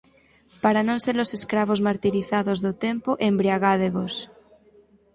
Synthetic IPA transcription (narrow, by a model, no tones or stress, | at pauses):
paɾanõnseɾloseskɾaβ̞ozmaɾt̪iɾiθaðozðot̪empoʔembɾiaɣað̞eβos